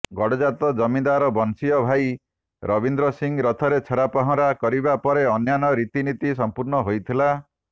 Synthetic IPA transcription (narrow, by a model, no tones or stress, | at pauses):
ɡɔɽɔd͡ʒat̪ɔd͡ʒɔmind̪aɾɔbɔnsiɔbʱaj | ɾʔɔbind̪ɾɔsiŋɾɔt̪ʰɔɾet͡ʃʰeɾapaɦɔ̃ɾakɔɾibapɔɾeɔnjanɔɾit̪init̪is̬ɔmpuɾɳɔɦojt̪ʰila